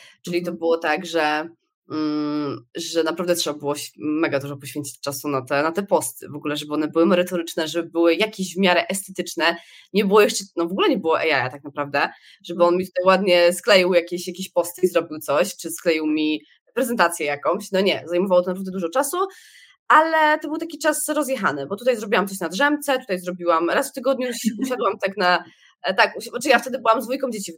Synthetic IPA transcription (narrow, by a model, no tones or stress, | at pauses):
t͡ʂɘlʲit̪ɔbɘwɔt̪aɡʐɛ | ʐɛnapɾavd̪ɛtʂɛbabɘwɔɕmɛɡad̪uʐɔpɔɕfʲeɲt͡ɕi̥t͡ɕʲt͡ʂasunat̪ɛnat̪ɛpɔst̪ɘvɔɡulɛʐɛbɘɔnɛbɘwɘmɛɾɘt̪ɔɾɘt͡ʂnɛʐɛbɘbɘwɘjakʲeʑvmʲjaɾɛʔɛst̪ɛt̪ɘt͡ʂnɛ | ɲɛbɘwɔjɛʂt͡ʂɛnɔvɔɡulɛɲɛbɘwɔʔɛjajat̪ak̚napɾavd̪ɛ | ʐ̥ɛbɘɔnmʲit̪ut̪ajwad̪ɲɛsklɛjiwjakʲeɕjakʲeɕpɔst̪ɘizɾɔbʲiwt̪sɔɕt͡ʂɘsklɛjiwmʲi | pɾɛzɛnt̪at̪sʲjɛjakɔ̃mɕnɔɲɛzajmɔvawɔt̪ɔnpɾavd̪ɛd̪uʐɔt͡ʂasu | alɛt̪ɔbɘwt̪akʲit͡ʂasɾɔzjɛxa̰nɘbɔt̪ut̪̬ajzɾɔbʲiwamt̪sɔɕnad̪ʐɛmt̪sɛt̪ut̪ajzɾɔbʲiwamɾasft̪ɘɡɔd̪ɲuɕuɕad̪wamt̪akna | t̪akuɔʈ͡ʂɨjaft̪ɛd̪ɘbɘwamzd̪vujkɔ̃md͡ʑet͡ɕi